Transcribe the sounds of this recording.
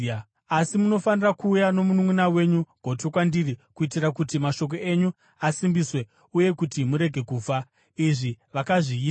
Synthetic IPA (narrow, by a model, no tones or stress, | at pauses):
asimuno̞fanirakuːjano̞munumunawe̞ɲuɡ̥ʱo̞to̞kwandirikuitirakutimaʃo̞k̬o̞e̞ɲu | asimbiswe̞ | uje̞kutimuɾe̞ɡʱe̞kuːfa | iʐiʋakaʐiː